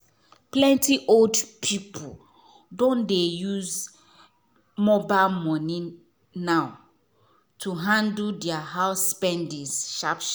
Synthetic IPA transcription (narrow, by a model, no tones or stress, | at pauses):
plɛ̃ntiʔoldpʰipʰo | dõndejuz | mɔbaɪlmɔnĩ | naʊ | tʰuɦãndldɛaɦaʊspɛ̃ndisʃapʃ